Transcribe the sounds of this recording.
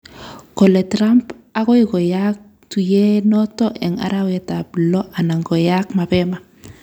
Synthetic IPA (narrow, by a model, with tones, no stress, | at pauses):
kɔ˨lɛ˨tɾamp | a˦kɔ˦ɪkɔ˨jak̚ | tu˨jɛ˦nɔtɔ˦ʔɛ˨ŋa̰ɾa˦wɛtaplɔ˦ʔa˨na˨ŋɡɔ˨jakma˨pɛma˨